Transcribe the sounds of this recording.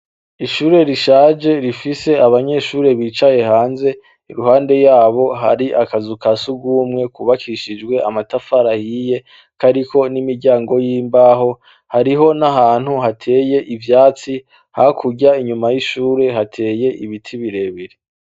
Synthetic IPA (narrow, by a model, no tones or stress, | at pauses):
iʃuːɾe̞ɾiʃaːd͡ʒe̞ɾifise̞aβaɲe̞ʃuːɾe̞βiːt͡ʃaje̞haːnze̞ | iɾuhaːnde̞jaːβo̞ɦa̰ɾiʔakazukasuɡuːmŋe̞kuβakʰiʃid͡ʒɡwe̞a̰matafaɾahije̞ | kaɾiko̞nimiɾɟaːŋɡo̞jiːmbaɦo̞ | haɾiɦo̞naɦaːn̥huɦatʰe̞ːje̞ʔivjaːt͡si | hakʰuɡɟaiɲumajiʃuːɾe̞ɦatʰe̞ːje̞ʔiβitʰiβiɾe̞βiɾi